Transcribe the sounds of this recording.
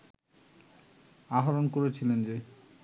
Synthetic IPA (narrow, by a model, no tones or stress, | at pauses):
aɦoɾonkoɾet͡ɕʰilend͡ʑe